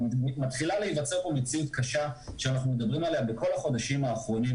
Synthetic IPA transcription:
mat̪χilaleivat͡se̞ʁbo̞met͡siut̪̚kaʃaʃanaχnumed̪abʁimalejambeko̞laχo̞d̪aʃimaːχʁo̞ni

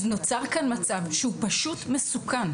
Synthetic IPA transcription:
zno̞t͡saʁkanmat͡savʃeupaʃutmesukan

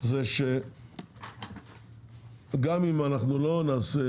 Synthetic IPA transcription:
zeʃe | ɡamimanaχnulo̞naːse

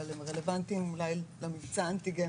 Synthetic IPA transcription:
alemʁelevant̪imulajlamivt͡sant̪iɡe

